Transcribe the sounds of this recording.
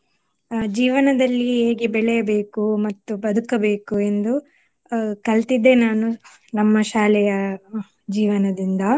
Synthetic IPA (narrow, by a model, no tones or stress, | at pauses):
d͡ʒiːʋɐnɐd̪ɐlːiɦe̞ːɡebɛɭɛjɐbe̞ːkumɐt̪ːubɐd̪ukɐbe̞ːkue̞nd̪u | kɐlt̪id̪ːe̞naːnu | nɐmːɐʃaːlɛjɐ | d͡ʒiːʋɐnɐd̪ind̪ɐ